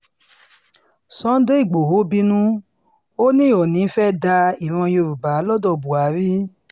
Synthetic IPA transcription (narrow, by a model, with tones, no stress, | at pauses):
sɔ̃˨˦n̩˦do˦i˦˨ɡ͡bo˨ɦo˨˦bi˦nũ˦ | o˦nĩ˦˨ɔ˨nĩ˨˦fɛ˦da˧i˨ɾ̃ɔ̃˧jo˧ɾu˨ba˨˦lɔ˦dɔ˦˨bu˨a˨˦ɾi˦